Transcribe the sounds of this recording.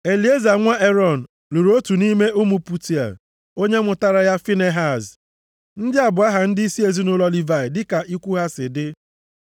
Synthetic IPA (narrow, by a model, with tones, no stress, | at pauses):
e˨li˨e˦za˨ŋʷa˦ʔe˦ɾɔ˦˨n̩˨ | lu˨ɾo˦tu˨ni˦me˦ʔʊ˦mu˨pu˦ti˨a̰˨ | o˦ɲe˦mʊ˨ta˦ɾa˦ja˦fi˦ne˦ɦa˨z | n̩˦dɪ˦a˨bʊ˨a˦ɦa˨n̩˦dɪ˦i˦si˦e˨zi˦nʊ˦lɔ˦li˦va˨ɪ˨dɪ˦ka˨ʔi˦kʷu˦ɦa˦sɪ˨dɪ˦